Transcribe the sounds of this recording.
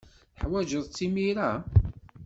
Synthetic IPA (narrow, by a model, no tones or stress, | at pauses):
θħwæʒəðˤt͡sːimiɾæ